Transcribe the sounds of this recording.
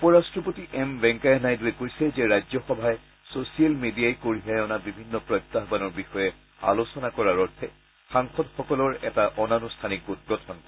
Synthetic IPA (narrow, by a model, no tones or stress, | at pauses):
upɔɹastɹɔpotiʔɛmbɛ̃ŋkajnajduɛkojsɛzɛɹajzɔxɔbʱaɛ | sosialmedijajkoɹiɦajɔnabibʱinːɔpɹɔjt̪ːaɦbanɔɹbixɔjɛ | a̰losɔnakɔɹaɹɔtʰɛ | xaŋxɔdxɔkɔlɔɹɛtaʔɔnanustʰanikɡut̚ɡɔtʰɔnkɔɹɛ